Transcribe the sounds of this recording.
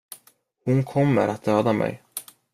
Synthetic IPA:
hʊnkʰɔmːə̰ɾʔat̪̚d̪øːd̪amɛ̰j

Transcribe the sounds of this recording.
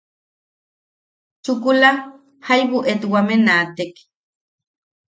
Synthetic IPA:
t͡ʃukula | hajβuʔet̪wamenat̪ek

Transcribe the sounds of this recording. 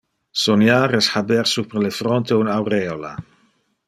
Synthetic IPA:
sonjaɾesħabeɾsupɾelefɾont̪eunawɾeola̰

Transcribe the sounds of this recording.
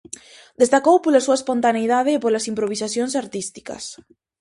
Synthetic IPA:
d̪est̪akowpolasuaɐespont̪aneiðaðeːpolasimpɾoβ̞isaθjonsaɾt̪ist̪i̥ka̰s

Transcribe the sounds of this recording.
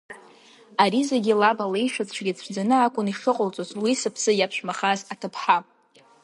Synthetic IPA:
aɾizaɡʲilabalejʃat͡sʷʰɡʲɪt͡sʷʰd͡zanɨakʷʼʊniʂɨqʼʊlt͡sʼozwisɨpʰsɨjapʰʃᶣmaχazatʰɨpʰħa

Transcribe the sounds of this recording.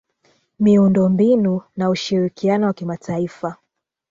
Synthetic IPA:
miundɔmbinunauʃiɾikianɔwakimatʰaifa

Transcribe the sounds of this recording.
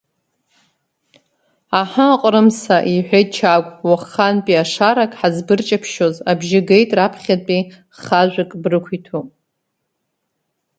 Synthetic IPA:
aħaqʷʼɾɨmsaʔiħʷᶣejtʼt͡ʃʰaɡʷʼwaχanpʼiaʂaɾakʼħazbɨrt͡ʃʼapʰʃo̞zabʒɪɡejtʼrapʰχʲapʼi | χaʒʷᶣakʼbrɨkʷʰitʰopʼ

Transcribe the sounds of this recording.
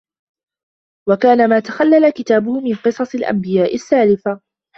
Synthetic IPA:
wakaːnamaːt̪axalːalakɪt̪aːbʊhʊmɪnqɨsˤɑsˤɪlʔa̰mbɪjaːʔɪsːaːlɪfa

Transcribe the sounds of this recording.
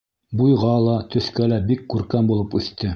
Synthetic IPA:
bujʁɑlˠɑt̪ɵ̆θkælæbikːʉɾkæmbulˠɤpʉθt̪ɘ

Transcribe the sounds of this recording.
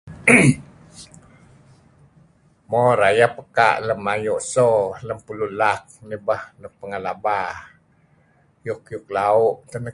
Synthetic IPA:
mɔɾajapəka̰ʔləmːajuʔsoləmpululak̚nibəhnəpəŋalaba | jukjuklauʔt̪ənə

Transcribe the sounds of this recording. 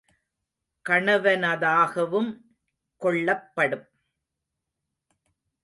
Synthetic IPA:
kɐɳɐʋɐnɐðaːɣɐʋɯm | kɔɭːɐpːɐɽɯm

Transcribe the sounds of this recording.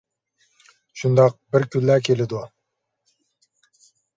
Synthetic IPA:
ʃund̪ɑq̚bɪɾkʲʰylːækʲʰelɪd̪u

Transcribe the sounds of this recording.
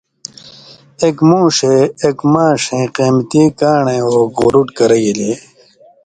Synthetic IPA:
ekmũːʂeːkmãːʂẽːqeːmt̪ikaːɳẽoːɡʁoɾuʈkɐɾɐjile

